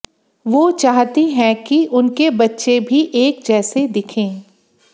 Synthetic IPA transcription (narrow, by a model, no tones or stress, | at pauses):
ʋoːt͡ʃaːɦt̪iɦɛ̃kiʔʊnkebɐtːʃebʱiʔeːk̚d͡ʒɛːsed̪ɪkʰẽː